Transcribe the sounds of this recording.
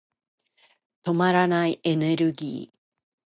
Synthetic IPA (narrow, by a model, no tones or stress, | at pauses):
t̪omaɾanajʔeneɾɯɡḭː